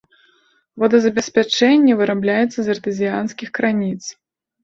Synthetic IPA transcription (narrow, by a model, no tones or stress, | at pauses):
vɔd̪ɐzɐbʲɛsʲpʲat͡ʂɛnʲːɛvɨɾablʲajɛt̪sːɐzʲɐrt̪ɨzʲijanskʲixkɾanʲit̪s